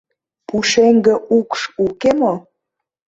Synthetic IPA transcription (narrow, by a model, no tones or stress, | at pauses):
puʃeŋɡə̆ʔukʃukemo